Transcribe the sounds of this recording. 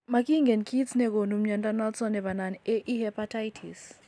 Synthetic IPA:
maki˦ŋɡɛ˨nki˦snɛ˦ko˨nu˨mɲa˨nda˦na˦lsɔ˦nɛ˨βa˨nane˦ʔi˦hɛpatajtʰḭs

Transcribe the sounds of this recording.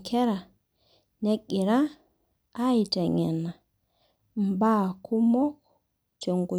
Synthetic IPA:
kʰɛ˦ɾa˨ | nɛ˦ki˨ɾaː˦ | i˨tɛ˨ŋɛ̰˨na˨ | mba˦kʰu˦mɔ˦ | t͡ʃo˨ŋɡo˨

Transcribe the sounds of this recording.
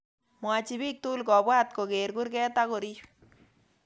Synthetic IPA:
mwa˨t͡ʃi˨biː˦k̚tu˦lkɔ˨bwa˦t̪̚ko˨keɾku˦ɾkɛː˦ta˦ko˨ɾi˦

